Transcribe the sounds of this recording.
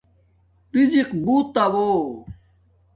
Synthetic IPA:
ɾiziqbut̪ːɐwo

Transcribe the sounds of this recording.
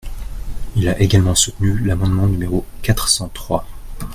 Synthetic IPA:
ilaʔeɡalmɑ̃sut̪nylamɑ̃d̪mɑ̃nymeʁokat̪χsɑ̃t̪χwa

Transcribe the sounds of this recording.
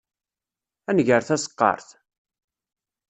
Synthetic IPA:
ænʝəɾθæsə̥qːɑ̰ɾˤθ

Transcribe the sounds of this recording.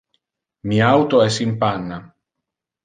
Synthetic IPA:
miawt̪oɛsimpanːa

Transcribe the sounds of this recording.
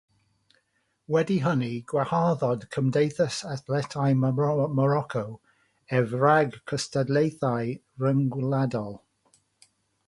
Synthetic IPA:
wɛdiɦəniɡ̥wahaðɔdkʰəmdejθəsaθlɛtʰajmmɔɾɔkʰow | ɛvraɡkʰəstadlejθaj | rəŋɡwladɔlˠ

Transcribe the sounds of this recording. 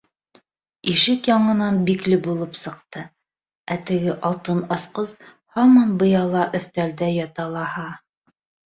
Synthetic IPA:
iʃɘkjɑɴɤ̆nɑnbiklɘbulˠɤpsɤ̆qt̪ɤ | æt̪ɘ̆ɡɘʔɑlˠt̪ɤnɑsqɤz | hɑmɑnbɤ̆jɑlˠɑʔɵ̆θt̪æld̪æjɑt̪ɑlˠɑhɑ

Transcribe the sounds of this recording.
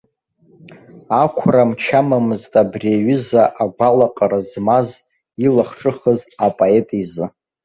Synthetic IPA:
akʷʰramt͡ʃʰamamɨztʼabreɥʏzaʔaɡʷalaqʼaɾazmaz | ilaχʈ͡ʂʼɨχəzapʼoetʼizɨ

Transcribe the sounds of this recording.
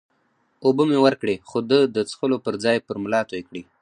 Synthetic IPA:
ubəmewəɾkɽexod̪əd̪ət͡sxəlopəɾd͡zɑjpəɾmlɑt̪ojekɽi

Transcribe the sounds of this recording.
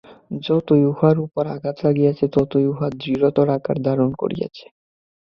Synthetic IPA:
d͡ʑɔt̪ojuɦaɾupoɾa̰ɡat̪laɡijat͡ɕʰet̪ɔt̪ojuɦad̪ɾiɾot̪oɾaka̰ɾd̪aɾonko̰ɾḭja̰t͡ɕʰe̥

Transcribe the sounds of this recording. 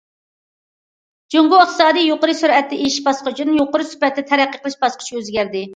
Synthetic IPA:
d͡ʒoŋɡoɪχt̪ɨsɑːd̪ijjoqəɾɨsyɾɛt̪ːɛʔeʃʃbɑsqʊt͡ʃʰinɨjoqʊɾɨsy̥pɛt̪̚ːɛt̪ʰɛɾæqːəqʰəlˠɨʃbɑsqʰə̥ʃøzɡʲæɾd̪ɪ

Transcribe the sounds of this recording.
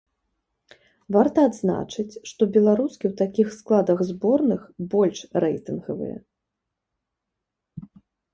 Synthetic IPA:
vart̪ɐːd̪zna̰t͡ʂɨt͡sʲʂt̪ɔbʲɛlˠaɾuskʲiwt̪akʲixsklˠad̪ɐɣzbɔrnɨxbɔlʲʂrɛ̰jt̪ɨnɣɐ̰vɨ̰jɛ̰

